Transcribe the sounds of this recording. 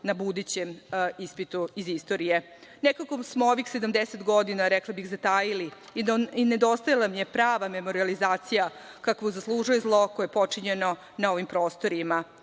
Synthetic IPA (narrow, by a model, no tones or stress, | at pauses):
nabud̪ut͡ɕemispit̪uizist̪o̞ɾije̞ | nekakosmooʋixsed̪amd̪eset̪ɡo̞d̪inaɾeklabixzat̪aːjili | ined̪o̞st̪ajalˠamje̞pɾaːʋame̞mo̞ɾializaːt̪sija | kakʋouzaslˠuʒujezlˠo̞kojepo̞t͡ʂiɲeno̞ | naoʋimpɾo̞ːst̪o̞ɾima